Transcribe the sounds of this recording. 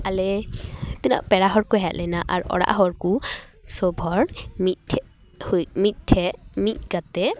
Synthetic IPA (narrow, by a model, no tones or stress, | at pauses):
alɛt̪ina̰ʔpɛɹaɦɔɹkuɦaʔlajnaʔa̰ɹɔ̰ɽa̰ʔɦɔɹkusɔbʱɔɹmit̪̚ʰ | hujmit̪̚tʰɛmit̪̚ɡat̪ɛ